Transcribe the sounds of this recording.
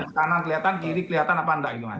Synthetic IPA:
sə̥kanaŋkəliat̪ankiɾikəliat̪anapaəndaʔɡit̪uma̰

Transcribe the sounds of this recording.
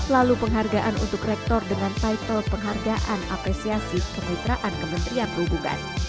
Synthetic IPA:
lalupəŋɦarɡaʔanṵnt̪ʊkrɛk̚t̪ɔrdəŋant̪ait̪ɔrpəŋɦarɡaʔana̰pɾɛsiasikəmait̪ɾaʔankəmənt̪ɾianbubuŋa̰n

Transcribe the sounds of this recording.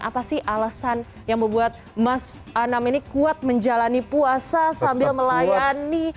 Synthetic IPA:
ʔapasɪhʔalasan | jaŋbəbuat̪̚mas | anaminikuat̪̚məɲd͡ʒalanipuasasambɪlməlajani

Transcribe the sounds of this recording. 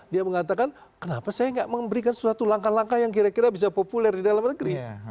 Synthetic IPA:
diaməŋat̪akan | kənapasajaŋɡaʔməmbəɾikansəsuat̪ulaŋkalaŋkajaŋk̬iɾakiɾabis̬apopulɛrdidalamnəɡɾi

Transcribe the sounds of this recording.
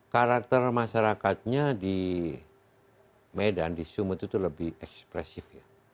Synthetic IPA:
kaɾak̚t̪ərmaʃaɾakat̪̚ɲadi | medandisumət̪it̪uləbɪhɛkspɾɛsɪfja

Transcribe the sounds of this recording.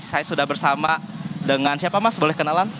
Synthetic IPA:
sajasudahbərsama | dəŋansiapamasbolɛhkənalan

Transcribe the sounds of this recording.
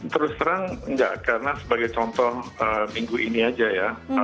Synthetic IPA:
t̪əɾʊst̪əɾaŋnda̰ʔkaɾənasəbaɡajt͡ʃɔnt̪ɔhəmiŋɡuʔiniad͡ʒaja

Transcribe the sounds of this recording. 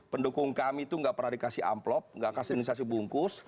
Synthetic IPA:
pəndukʊŋkamit̪uŋɡaʔpəraɾikasɪha̰mplɔp̚ŋɡaʔkasinisas̬ibuŋkʊs

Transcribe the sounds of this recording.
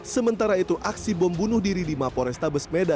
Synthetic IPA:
səmənt̪aɾait̪uʔaksibɔmbunʊhdiɾidimapɔɾɛst̪abəsmeda

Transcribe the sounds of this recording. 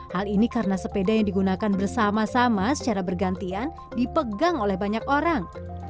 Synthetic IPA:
halinikaɾənasəpedajaŋdiɡunakanbərsamasamasə̥t͡ʃaɾabərɡant̪ian | dipəɡaŋolɛhbaɲak̚oɾaŋ

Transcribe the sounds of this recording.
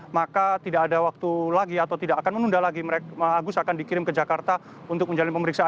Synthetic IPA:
makat̪idaʔːdawak̚t̪ulaɡiat̪awt̪idakakanmənundalaɡiməɾeəaɡʊsakandikiɾɪmkəd͡ʒakart̪a | unt̪ʊk̚məɲd͡ʒalɪnpəməɾiksa

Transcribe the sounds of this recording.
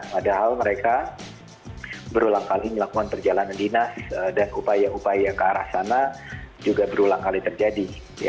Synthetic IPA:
padaɦalməɾeka | bəɾulaŋkaliməlakukanpərd͡ʒalanandinasədanupajaupajakəaɾa̰hsanad͡ʒuɡabəɾulaŋkalit̪ərd͡ʒadi | ja̰

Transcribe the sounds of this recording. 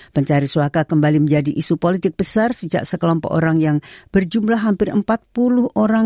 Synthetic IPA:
pəɲt͡ʃaɾisuakakəmbaliməɲd͡ʒadiʔisupolit̪ɪk̚b̥əsarsəd͡ʒa̰ʔsəkəlɔmpɔ̰ko̰ɾaŋjaŋb̥ərd͡ʒumlaɦɦampɪrəmpat̪̚pulʊhoɾa

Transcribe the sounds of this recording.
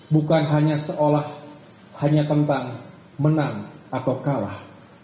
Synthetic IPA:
bukanɦaɲasəʔolah | haɲat̪ənt̪aŋ | mənaŋat̪awkala̰h

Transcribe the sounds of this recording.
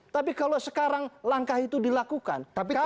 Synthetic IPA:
t̪apikalosəkaɾaŋlaŋkahit̪udilakuka̰nai

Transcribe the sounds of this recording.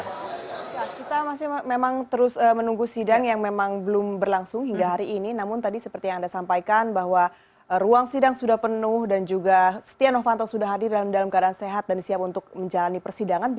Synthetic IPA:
ajakit̪amasɪhmemaŋt̪əɾʊsəːmənuŋɡusidaŋjaŋmemaŋbəlʊmbərlaŋsʊŋɦiŋɡaɦaɾiʔːninamʊnt̪adisəpərt̪ijaŋandasampajkanbahwa | əruaŋsidaŋsudahpənʊhdand͡ʒuɡasə̥t̪ianɔfant̪ɔsudahɦadɪrdalamdalamkadaanseɦat̪̚dansiap̚unt̪ʊk̚məɲd͡ʒalanipərsidaŋan

